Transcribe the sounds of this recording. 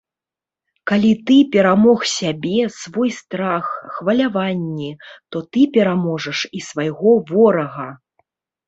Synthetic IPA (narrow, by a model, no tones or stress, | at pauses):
kalʲit̪ɨpʲɛɾamɔxsʲabʲɛsvɔjst̪ɾaxːvɐlʲavanʲːɛt̪ɔt̪ɨpʲɛɾamɔʐɐʂisvajɣɔvɔɾɐɣɐ